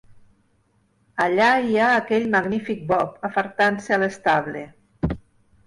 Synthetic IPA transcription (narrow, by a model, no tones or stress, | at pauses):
aʎaiaːkɛʎmaɣnifik̚bɔpafəɾt̪ansealest̪aβle